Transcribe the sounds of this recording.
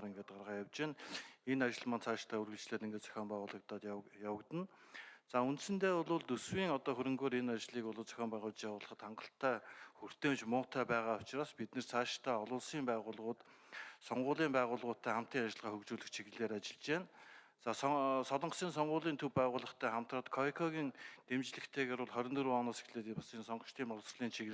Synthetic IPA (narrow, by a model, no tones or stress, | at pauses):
ɾeŋɡeːt̪̚ɢarʁaːjawt͡ɕeːnenat͡ɕɪ̆ɮmant͡sʰaːʃt̪ʰæːurɣɘ̆ɮt͡ɕɮeːt̪eŋɡeːt͡sœ̥xʲɔːmpæːʁʊːɮə̆kt̪ɔːt̪jawə̆kt̪ə̆nt͡saunt̪sɘ̆nt̪eːʊɮʊːɮt̪ɵswiːŋɔt̪ɔːxɵɾɵ̆ŋɡoːɾenat͡ɕɮiːkʊɮʊːɮt͡sœ̥xʲɔːmpæːʁʊ̆ːt͡ɕjawʊːɮə̆χə̆t̪χaɴɢə̆ɬt̪ʰːæːxur̥t̪ʰeːmt͡ɕmʊːt̪ʰæːpæːʁaːʊt͡ɕ̆aːspit̪nɘ̆rt͡sʰaːʃt̪ʰæːɔɮʊːɮsiːmpæːʁʊːɮʁʊːt̪ | sɔɴɢʊːɮiːmpæːʁʊːɮʁʊːt̪ʰːæːχam̥t̪iːŋat͡ɕɪ̆ɮʁaːxɵkt͡ɕuːɮɘ̆kt͡ɕʰiɣɘ̆ɮeːɾat͡ɕɪ̆ɮt͡ɕeːn | t͡saːssɔɮɞ̆ɴχsiːns̬ɔɴɢʊːɮiːnt̪ʰɵwpæːʁʊːɮə̆χt̪ʰæːχam̥t̪rəːt̪kʰɔikʰɔɣiːnt̪emt͡ɕɮɘ̆kt̪ʰeːɣeːɾʊ̆ɮχɔɾʲɪ̆nɵ̆ɾuːɔnɔːsi̥xɮeːt̪imasiːnsɔɴɢə̥̆ʃt̪ʰiːmpɔɮsr̆ɮiːnt͡ɕʰiɣ